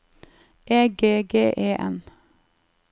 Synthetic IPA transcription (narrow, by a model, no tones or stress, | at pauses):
ʔeːɡeːɡeːʔeːʔɛ̰m